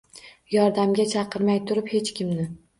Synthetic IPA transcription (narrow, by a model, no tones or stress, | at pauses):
jɒɾd̪amɡʲat͡ʃʰɑqɨɾmajt̪ʰʊɾɪphe̞t͡ʃkʲɪmnɪ